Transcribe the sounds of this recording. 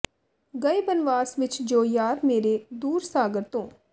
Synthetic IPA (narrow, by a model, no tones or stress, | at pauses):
ɡəebənʋaːsʋɪt͡ʃd͡ʒoːjaːɾmeːɾed̪uːɾsaːɡəɾt̪õː